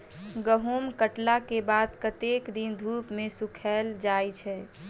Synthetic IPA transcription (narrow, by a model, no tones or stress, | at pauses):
ɡəɦomkəʈlakebad̪kət̪ekd̪ind̪ʱupmẽsukʰɛld͡ʒajt͡ʃʰɛ